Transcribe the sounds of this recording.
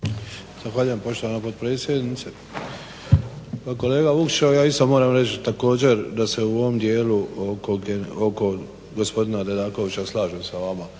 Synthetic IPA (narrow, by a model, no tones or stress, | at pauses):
z̥axʋaːʎuje̞mpo̞ʃt̪o̞ʋanapot̪̚pɾe̞ːt̪sje̞d̪nit̪se | pako̞leːɡaukʃajaːist̪o̞moːɾamɾet͡ʃt̪ako̞ːd͡ʑe̞ɾd̪ase̞uo̞ʋo̞md̪je̞ːluokoɡeoko̞ | ɡospo̞d̪inad̪ed̪aːko̞ʋit͡ɕaslˠaːʒesaʋama